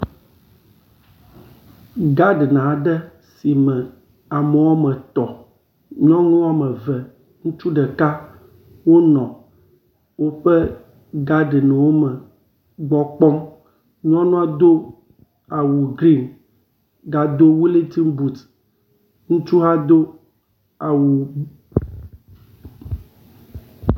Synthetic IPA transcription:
ɡa˦ɖnã˨ɖɛ˦ | si˨mɛ̃˨ | a˨mɛ˨wa˦mɛ̃˨t̪ɔ˨ | ɲɔ̃˦ŋũ˦wa˦mɛ˨vɛ˨ | ŋũ˦t͡ʃu˦ɖɛ˨ka˦ | wo˦nɔ̃˨ | wo˦ɸɛ˦ | ɡa˦ɖnɛ̃˨wo˦mɛ̃˨ | ɡ͡bɔ˦k͡pɔ˦m | ɲɔ̃˦nũ˦a˦d̪o˦ | a˨wu˨ɡɾi˦n | ɡa˨d̪o˦wu˦le˦ti˦mbu˨t̪ | ŋũ˦t͡ʃu˦ɦa˦d̪o˦ | a˨wu˨˦

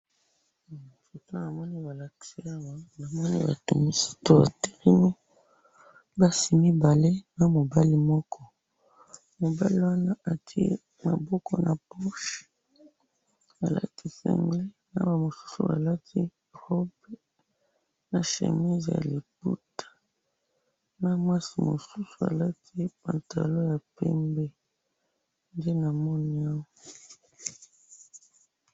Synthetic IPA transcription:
fu˨ta˦na˨mɔ˦ni˦ba˨la˨ki̥˨si˦a˦ŋa˦na˨mɔ˦nḭ˦ba̰˨tu˨mi˦si̥˦to˦ba̰˨te̥˦ʁi˦mi˦ | ba˦si˨mi˦ba˨le˦na˨mo˨ba˦li˦mɔ˦kʰɔ˦ | mo˨ba˦li˦wa˦na˦a˨tʰi˦ḛ˦ | ma̰˨bɔ˦kɔ˦na˨pɔ˦ʃ | a˨la̰˦tʰi˦sɛ̰˨ŋɡle˦ | na̰˦ba˨mo˨su̥˦sṵ˨a̰˨la˦tʰi˦ | ʁɔ˦be˦ | na˨ʃḛ˨mi˦zja̰˨li˨p̚ṵ˦tʰḁ˨ | na˦mwa˦si˨mo˨su˦su˨a̰˨la˦tʰi˦pã̰˨nta˨lo˦ja˨pɛ˦mbe˦ | nde˦na˨mɔ˦ni˦a˦wɔ˨˦

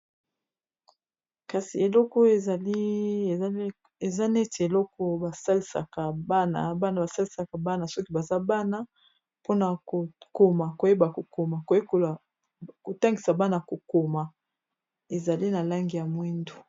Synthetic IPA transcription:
ka˨si˨e˨lɔ˦kɔ˦e˨za˨li˦˨˦ | e˨za˦n˦e˦tʰe˨e˨lɔ˦kɔ˦ba˨sa˦li˨sa̰˨ka˨ba˦na̰˨ba˦na˨ba˨sa˦li˨sa˨ka˨ba˦na˨sɔ˦ki˦ba˨za˦ba˦na˦ | po˦na˨ko˨ko˨ma˨ko˨je˦ba˨ko˨ko˨ma˨ko˨˦e˦ko˨la˨ | ko˨ta˦ŋɡi˨sa˨ba˦na˨ko˨ko˨ma˨ | e˨za˨li˦na˨la˦ŋɡi˨ja˨mwi˦ndo˨

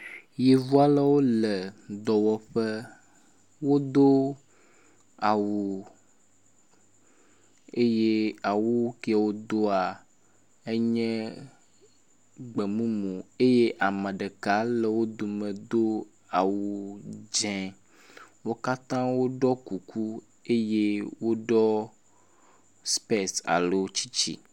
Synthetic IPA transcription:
je˨vu˦a˦lə˦wo˦lɛ˨d̪ɔ˨wɔ˦ɸɛ˦ | wo˦d̪o˦ | a˨wu˨ | e˦je˦a˨wu˦ki˦˨a˨wo˦d̪o˦a˨ | e˦ɲɛ̃˦ | ɡ͡be˨mũ˦mõ˨e˦je˦ʔa˨mɛ̃˨ɖe˨ka˨˦le˨wo˦d̪o˨mẽ˨d̪o˦ | a˨wu˨d͡ʒɛ̃˨ | wo˦ka˦t̪ã˦wo˦ɖɔ˦ku˨ku˦ | e˦je˦wo˦ɖɔ˦ | spe˦sa̰˨lo˦t͡ɕi˦t͡ɕḭ˦

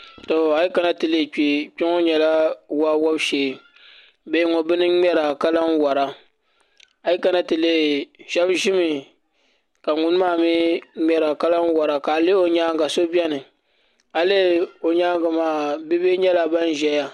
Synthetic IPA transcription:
to˨a˨ji˦ka˨na˦tɨ˨le˦˨k͡pi˨k͡pɪ˦ŋo˦ɲɛ˨la˦wa˦wɔ˦bʃeː˨ | be˦ŋɔ˨bɨ˦nɨ˦ŋ͡mɛ˦ɾa˨ka˦la˦ŋ˦wɔ˨ɾa˦ | a˨˦i˦ka˨na˦tɨ˨le˦ʒɛ˦bʒɪ˦mɨ˨ | ka˨ŋʊ˦n˦maː˦˨mi˦ŋ͡mʲɛ˦ɾa˨ka˦la˦ŋ˦wɔ˨ɾa˨ka˨le˦o˨ɲaː˦ŋɡa˨so˦bi˦ɛ˦nɨ˨ | a˨le˦o˨ɲaː˦ŋɡa˨maː˨bi˦be˦ɲɛ˦la˦ba˦n˦ʒɛ˨˦ja˨

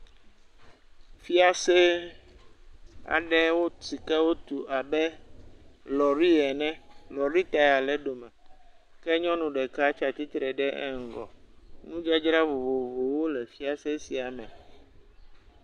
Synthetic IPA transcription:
fi˦a˨se˦ | a̰˨ɖɛ˦wo˦ti˨kɛ˦wo˦t̪u˨ʔa˨bɛ˦ | lɔ˨ɾi˦ɛ˨nɛ̃˦lɔ˨ɾi˦t̪a˨ja˨lɛ˦ɖo˨mɛ̃˨ | kɛ˦ɲɔ̃˦nũ˨ɖɛ˨ka˦t͡ʃa˨t̪i˦t̪ɾɛ˨ɖɛ˦ʔɛ̰˦ŋ̩˨ɡɔ̰˨nũ˦d͡ʒa˦d͡ʒɾa˦vo˨vo˨vo˨wo˦lɛ˨fi˦a˦se˦si˨a˨mɛ̃˨

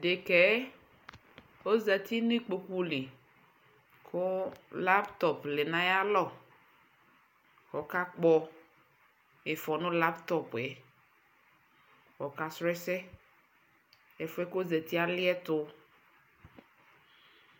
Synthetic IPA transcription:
ɖe˨kɛ˨˦ | o˦za˨t̪i˦nĩ˦k͡po˨ku˦lɪ˨ | kʰʊ˦la˦pt̪ɔ˨plɪ˨nã˨ja˦lɔ˦˨ | kɔ˨ka˦k͡pɔ˦ | e˨fɔ˨nʊ̃˦la˦pt̪ɔ˦pɛ˨ | kɔ˨ka˨sɾɛ˦sɛ˦ | ɛ˨fɛ˦ko˦zɛ˨t̪i˦a˦lɪ˦ɛ˦t̪ʊ˦

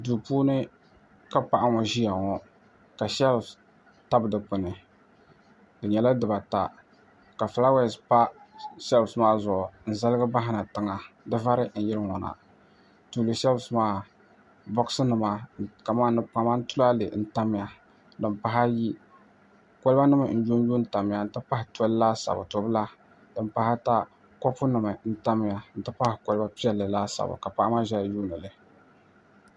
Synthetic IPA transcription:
duː˨puː˦nɨ˦ | ka˦pa˨ʔa˦ŋɔ˨ʒi˦ja˨ŋɔ˦ | ka˨ʃɛ˦l | ta˦bɨ˨dɨ˨k͡pɨ˨nɨ˨ | dɨ˨ɲɛ˨la˦dɨ˨ba˨ta̰˨ | ka˨fla˦wɛ˦˨spa˦sɛ˦lsmaː˦zɔ˨ʔn̩˨za˦lɨ˦ɡɨ˦ba˦ɦɪ˦na˨tɨ˦ŋa˨ | dɨ˦va˦ɾɪ˦n̩˨jɪ˦ɾɨ˦ŋɔ˨na̰˨ | tu˨lɨ˨ʃɛ˦lsmaː˦ | bɔ˦ksɨ˦nɨ˨ma˨ka˨maː˦nɨ˨ka˨ma˦n̩˦tʊ˦la˦lɨ̰˨n̩˦ta˦mɪ˦ja˨ | dɨ˨m˨pa˨ɦa˦ji˦ | ko˦lba˦nɨ˦mɨ˨n̩˦d͡ʒu˦n˦juː˦n̩˦˨ta˨m˨ja˨n̩˨tɨ˦pa˦hɪ˨tɛ˦llaː˦sa̰˨ba̰˨to˨bɨ˦la˦ | dɨ˨mpa˨hɪ˦ta˦ | kɔ˦pʊ˦nɨ˨mɨ˨n̩˦ta˦m˦ja˨n̩˨tɨ˦pa˦hɪ˨ko˨lɨ˦ba˦pi˦ɛ˦lːɨ˨laː˦sa̰˨ba̰˨ka˨pa˦ʔa˦ma˦ʒɛ˦˨juː˦nɨ˨lɨ˨

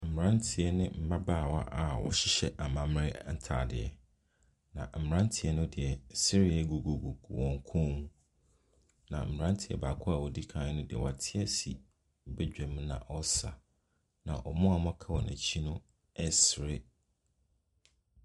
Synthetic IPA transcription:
m̩˨m˨ɾã˦n˦tʰɪ˨ɛ˦nɪ̃˦m̩˨ba˦baː˦˨wa˦ʔa˨wɔ̰˨ɕɪ˦ɕɛ˨ʔa˨mã˨m˦ɾɪ˦n̩˦tʰa̰ː˨dɪ̰˨ɛ̰˨ | nã̰˨m̩˨ɪ˨ɾã˦n˦tʰɪ˨ɛ˦nʊ̃˦dɪ˨ɛ˨si˦ɾɪ˦a˦˨ɡo˨ɡo˨ɡu˨wɔ̃˨ŋ˨kʰɔ̃˦mũ˦ | nã̰˨m̩˨ɾã˦n˦tʰɪ˨ɛ̰˨baː˨kʰʊ˦a˨wɔ˨di˦kʰãː˨˦nʊ̃˦dɪ˨ɛ̰˨wa˨tʰɪ˦ɛ˦si˨ | bɛ˦d͡ʑᶣɛ˨m̃˦nã̰˨ʔɔ˦sa˨ | nã̰˨ʔɔ˨mʊ̃˦a˨mɔ̃˦kʰa˦wɔ˨næ̰̃˨t͡ɕʰi˦nʊ̃˦ | ɛ˦sɾɪ˦

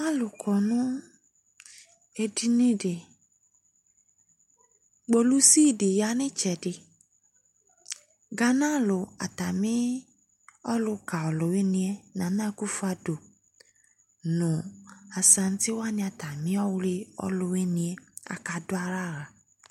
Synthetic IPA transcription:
a˦˨lu˨kʰɔ˨nũ˦ | e˧di˧nĩ˦de˨ | ɡ͡bo˧lu˦si˦i˦˨de˨ja˨˧˦nĩ˦t͡ʃɛ˨di˧ | ɡa˧nã˦˨lo˨a̰˨ta˨mĩ˨˦ | ɔ˦lu˧ka˨ɔ˨lo˨we˦nĩ˧ɛ˦nã˨˦nã˦˧ku˦fu˧a˧do˨ | nũ˨a˨sã˧n̩˦ti˦wa˦nĩ˧a˧ta˨mĩ˦ɔ˦wɾi˧ɔ̰˧lo˧we˦nĩ˧e˧˦a̰˧ka˧du˦a˧ɾa˦˨ɾa˨

